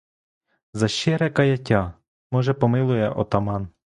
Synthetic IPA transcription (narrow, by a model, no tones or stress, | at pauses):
zɐʃt͡ʃɛɾɛkɐjɐtʲɑ | mɔʒɛpɔmɪlˠʊjɛʔɔ̰t̪ɐmɑn